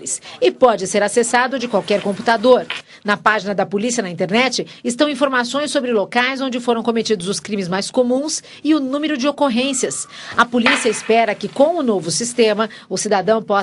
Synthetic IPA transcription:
ɪsɪpɔd͡ʒɪseɾasesad̪ʊd͡ʒɪkwawkɛɾkõpu̥t̪ad̪oɾ | nɐpaʒinɐd̪ɐpolisiɐnɐĩnt̪eɾnɛt͡ʃɪ | ɪst̪ɐ̃w̃ĩfoɾmasõj̃sːobɾɪlokajzõd͡ʒɪfoɾɐ̃w̃kõmet͡ʃid̪ʊzʊskɾĩmɪzmajskomũs | ɪʊnũmeɾʊd͡ʒɪokoɦẽsiɐsɐpolisiɐɪspɛɾɐkɪkõw̃ʊnovʊsist̪ẽmɐ | ʊsid̪ad̪ɐ̃w̃pɔ

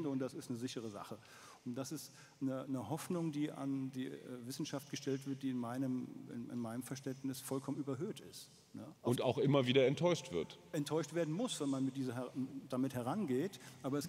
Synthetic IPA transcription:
dəʊntd̥asɪstnəzɪçəʁ̞əza̰χə | ʊntd̥asɪst | nənəhɔfnʊŋdiːʔa̰ndḭːvɪsn̩ʃaft̚ɡ̥əʃtɛltv̥ɪɐt̚d̥iːɪnmaɪnəmɪ̰nɪ̰nmaɪnəmfɛɐʃtɛntnɪsfɔlkʰɔmənyːbɐɦøːtʰɪst | nəʊntaʊxʔɪmɐviːdɐɛntʰːɔʏʃtv̥ɪɐtʔɛntʰɔʏʃtv̥eːɐdn̩mʊsv̥ɛnmanmɪt̚d̥iːzɐd̥amɪthɛʁanɡeːtʔaːbɐɛs

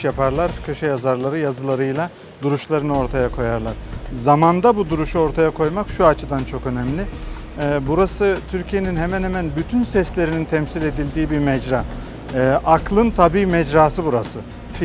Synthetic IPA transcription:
japʰaɾlˠaɾcʰø̞ʃɛjazaɾlˠaɾɯjazɯlˠaɾɯjlˠa | d̪uɾuʃlˠaɾɯnɯo̞ɾt̪ʰajakʰo̞jaɾlˠaɾ̥zamand̪abud̪uɾuʃuo̞ɾt̪ʰajakʰo̞jmakʃuat͡ʃʰɯd̪ant͡ʃʰo̞kø̞nɛmlʲɪ | ɛːbuɾasɯt̪ʰyɾcʰije̞ninɦemænhemænbyt̪ʰynsɛslʲe̞ɾinint̪ʰɛmsilʲe̞d̪ilʲd̪iːbiɾmɛd͡ʒɾaː | ʔaklˠɯnt̪ʰabiːmɛd͡ʒɾaːsɯbuɾasɯ | f

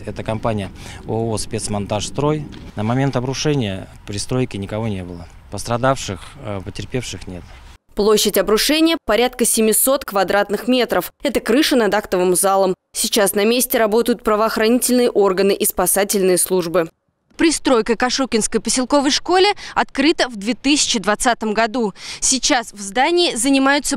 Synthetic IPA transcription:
ɛt̪əkɐmpanʲɪjəo̰ospʲet̪smɐnt̪aʂst̪ɾo̞jnəmɐmʲe̞nt̪ɐbɾʊʂɛnʲɪjə̰ | pɾʲɪst̪ɾo̞jkʲɪnʲɪkɐvo̞nʲe̞bɨlˠə | pəst̪ɾɐd̪afʂɨxpətʲɪrpʲe̞fʂɨxnʲe̞t̪ | plˠo̞ɕːɪtʲɐbɾʊʂɛnʲɪjəpɐɾʲat̪kəsʲɪmʲɪso̞t̪kvɐd̪ɾat̪nɨxmʲe̞t̪ɾəfɛt̪əkɾɨʂənɐd̪akt̪əvɨmzalˠəmsʲɪt͡ɕasnɐmʲesʲtʲɪɾɐbo̞t̪əjʊt̪̚pɾəvəːxɾɐnʲitʲɪlʲnɨjəʔo̞rɡənɨʔispɐsatʲɪlʲnɨjəslˠuʐbɨ | pɾʲɪst̪ɾo̞jkəjkɐʂukʲɪnskəjpəsʲɪlˠko̞vəjʂko̞lʲɪɐt̪kɾɨt̪əvd̪vʲe̞t̪ɨsʲɪ̥t͡ɕɪd̪vɐt̪sat̪əmɡɐd̪usʲɪt͡ɕasvzd̪anʲɪːzənʲɪmajʊt̪sə

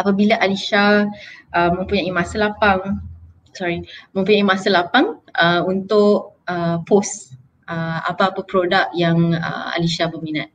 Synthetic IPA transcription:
ʔapabilaʔaliʃaʔəmə̃ŋpuɲaʔimãsalapaŋ | sɔɾimə̃mpuɲaimasalapaŋəunt̪ʊʔəpos | əa̰paːpapɾodak̚jaŋə̰a̰liʃabəminat̪̚

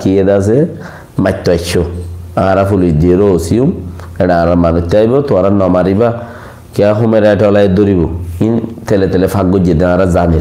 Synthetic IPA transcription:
kijedas̬e | matːɔɛt͡ʃːoaaɾafuled͡ʒeɾosium | ɛnaaɾamanɔt̪ːaibot̪uaɾanɔmaɾiba | kiaɦumɛɾɛtɔlaed̪oɾibointɛlɛtɛlɛfaɡod͡ʒedaɾazani

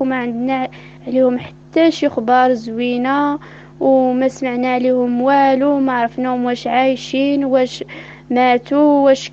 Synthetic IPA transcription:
mæʕənd̪næ | ʕlihʊmħḁt̪ːæʃixbɑɾˤzwinæ | wmæsmaʕnæʕlihʊmwælumæʕɾˤəfnæhʊmwæʃʕajʃinwæʃ | mæt̪uwæʃ

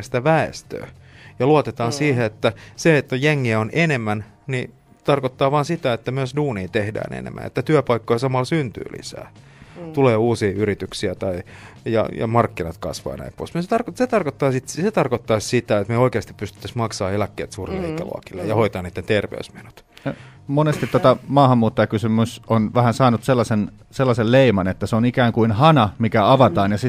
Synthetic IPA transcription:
st̪æʋæḛst̪ø̰ː | jɑluɑt̪et̪ɑːnsiːheet̪ːæseet̪ːæjeŋːiæonʔenemːæn | ni | t̪ɑrkot̪ːɑːʋɑːnsit̪æet̪ːæmyøsduːniːt̪ehdæ̰ːnḛnḛmːʔæ̰nḛt̪ːæt̪yæpɑikːojɑsɑmɑlsynt̪y̰ːlʔḭsæ̰ː | t̪uleːuːsiːyrit̪yksiæt̪ɑijɑ̰jɑ̰mɑrkːinɑt̪kɑ̰sʋɑ̰ːnæ̰ipːo̰ismset̪ɑrkset̪ɑrkot̪ːɑːsit̪set̪ɑrkot̪ːɑːssit̪æet̪meoikeɑst̪i̥ppyst̪y̥t̪ːæsmɑksɑːelækːḛːt̪suːrillḭːk̪ɑlṵɑ̰kilːejɑhoit̪ɑːniːt̪ːent̪erʋḛusmenu̥t̪ | monest̪it̪ːot̪ɑmɑːhɑmːuːt̪ːojɑkysymysonʋæhænsɑːnut̪selːɑsen | selːɑselleimɑnet̪ːæseonikæːŋkuinhɑnɑmikæɑʋɑt̪ɑːnjɑsi

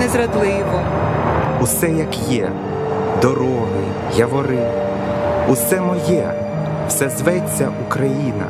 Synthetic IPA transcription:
nɛzɾɐd̪lˠɪʋɔ | usɛjɐkjɛ | d̪ɔɾɔɦɪ | jɐʋɔɾɪ | usɛmɔjɛ | wsɛzʋɛt͡sʲːɐʔukɾɐjinɐ̰

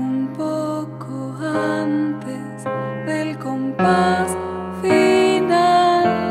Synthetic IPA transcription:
umpokʰ | oant̪e | sðelkompas | final

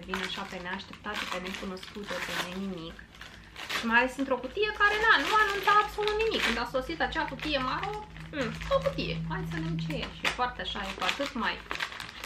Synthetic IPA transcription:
vinaʃape̞neaʃt̪e̞p̚t̪at̪sepene̞kuno̞skut̪ep̪enenimik | ʃimajale̞sɨnt̪ɾo̞kut̪ijekaɾe̞nanuanunt̪aabso̞lut̪nimikːɨnd̪aso̞sit̪at͡ʃeakut̪ijemaɾom̩okut̪ijḛmaj̪sənemt͡ʃeʃifoart̪eaʃajepat̪ut̪maj

